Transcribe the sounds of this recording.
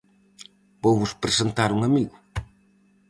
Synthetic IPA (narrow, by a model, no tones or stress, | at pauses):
bowβʊspɾesent̪aɾuŋɐmiɣʊ